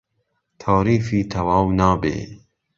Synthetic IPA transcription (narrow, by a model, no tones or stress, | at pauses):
t̪ʰaːɾiːfiːt̪ʰɐwaːwnaːbḛː